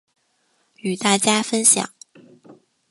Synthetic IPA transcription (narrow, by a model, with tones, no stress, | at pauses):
y˨˩t̪a˥˩t͡ɕja˥fə˥nɕjɑ̰˨˩˦ŋ